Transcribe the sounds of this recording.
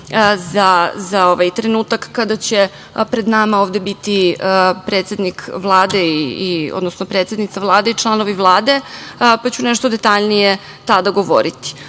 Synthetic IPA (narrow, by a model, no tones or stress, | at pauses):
zazao̞ʋajt̪ɾenuːt̪akːad̪at͡ɕe̞ | pɾe̞d̪namaoːʋd̪ebit̪iəpɾet̪sʲe̞d̪nikʰvlˠaːd̪eiiod̪nosnopɾet̪se̞d̪nit̪avlˠaːd̪eit͡ʂlˠanoʋiʋlˠaːd̪e̞pat͡ɕuneʃt̪od̪e̞t̪aʎnije | t̪ad̪aɡo̞ʋo̞̰ɾit̪i̥